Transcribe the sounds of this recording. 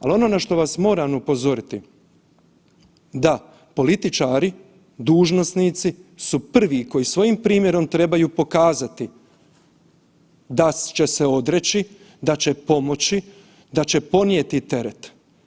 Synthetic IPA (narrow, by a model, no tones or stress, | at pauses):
alo̞no̞naʃt̪o̞ʋasmo̞ːɾamupo̞zo̞ɾit̪i | d̪a | po̞lit̪it͡ʃaːɾi | d̪uːʒno̞snit̪sisupr̩ʋiko̞jisʋo̞jiːmpɾiːmje̞ɾo̞mt̪ɾe̞bajuːpo̞kaːzat̪i | d̪at͡ʃe̞seo̞d̪ɾe̞t͡ɕi | d̪at͡ɕe̞po̞mo̞t͡ɕi | d̪at͡ɕe̞po̞njet̪it̪e̞ɾet̪